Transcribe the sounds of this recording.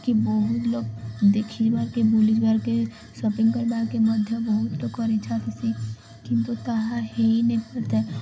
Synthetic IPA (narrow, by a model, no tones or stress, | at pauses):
kibɔɦʊt̪loːɡ̚d̪eːkʰid͡ʒbaɾkebulid͡ʒbaɾke | sopɪ̃ŋɡkəɾbakeməd̪ʱjəbəɦʊt̪lokɔɾit͡ʃʰat̪esi | kɪ̃nt̪ut̪aɦaɦeinẽpɐɾt̪eː